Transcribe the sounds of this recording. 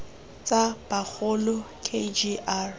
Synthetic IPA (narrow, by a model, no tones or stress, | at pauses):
t͡sʼab̥ak͡xʊlɔ | kʰed͡ʒiʔar